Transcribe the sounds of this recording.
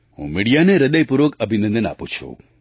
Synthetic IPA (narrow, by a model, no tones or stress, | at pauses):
ɦṵ̃miɽijaneɾəd̪əjpuɾʋəkəbʱinə̃nd̪əna̰put͡ʃʰṵ